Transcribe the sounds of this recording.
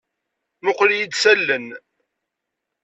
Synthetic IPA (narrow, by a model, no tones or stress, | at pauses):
mʊqljid̪sælːən